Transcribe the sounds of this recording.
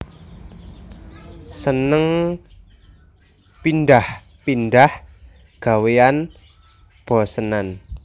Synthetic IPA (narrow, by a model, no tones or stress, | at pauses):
sənəŋ | pinɖah | pindah | ɡ̥a̤wean | b̥ɔ̤sənan